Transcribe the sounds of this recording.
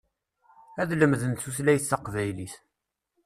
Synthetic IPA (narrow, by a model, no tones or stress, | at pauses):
æðləmðənt͡sːuθlæjθːɑqvæjliθ